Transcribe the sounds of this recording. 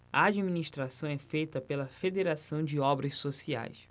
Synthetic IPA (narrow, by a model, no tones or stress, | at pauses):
ɐad͡ʒiminiʃt̪ɾasɐ̃w̃ɛfejt̪ɐpelɐfed̪eɾasɐ̃w̃d͡ʒɪɔbɾɐssosia̰js